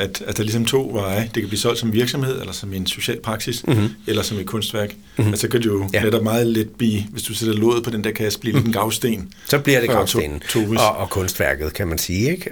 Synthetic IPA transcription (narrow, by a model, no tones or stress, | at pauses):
æd̥æd̥ɑ̈lisɒ̽mt͡sʰo̝̰ːʋɑ̈ɪd̥e̝kʰæblḭːsɒ̽l̰d̥sɒ̽mʋiɐɡ̥sɒ̽mhe̝ð̞̰ˠelɐsɒ̽me̝nso̝ɕɛ̰ːlpʰʁɑ̈ɡ̥siselɐsɒ̽med̥̚kʰɔ̽nsd̥ʋæɐɡ̥ | æsɒ̽kʰæd̥ujo̝neɾ̥ɒb̥mɑ̈ːð̞̩ˠled̥̚b̥lḭːʋe̝sd̥used̥ɐlɔ̝ːð̩ˠpʰɒ̽d̥end̥eɐ̰kʰæsə̥b̥lḭːled̥n̩ɡ̥ɑ̈ʊsd̥e̝̰ːn | sɒ̽b̥liɐ̥e̥ḛn̩t͡sʰo̰ːɒkʰɔ̽nsd̥ʋæɐ̰ɡ̥ð̩ˠkʰæmænsiːeɡ̥